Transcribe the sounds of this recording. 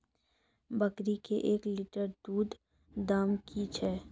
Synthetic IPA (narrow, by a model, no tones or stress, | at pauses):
bəkɾikeʔeːklɪʈəɾd̪uːd̪ | d̪aːmkʰit͡ʃʰɛː